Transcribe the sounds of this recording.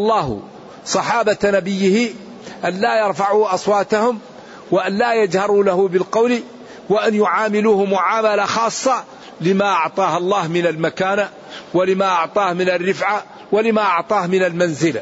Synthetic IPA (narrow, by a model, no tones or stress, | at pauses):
ʔɑlˤːɑːh | sˤɑħɑːbanabɪjːɪhɪ | ʔanlaːjɑɾˤfaʕuːʔɑsˤwɑːt̪ahʊm | waʔanlaːjad͡ʒhɑɾˤuːlahʊbɪlqɑwli | waʔanjʊʕaːmɪluːhʊmʊʕaːmalaxɑːsˤːɑ | lɪmaʔɑʕt̪ˤɑːhɑlˤːɑːhmɪnalmakaːna | walɪmaʔɑʕt̪ˤɑːhmɪnarːɪfʕa | walɪmaʔɑʕt̪ˤɑːhmɪnalmanzɪla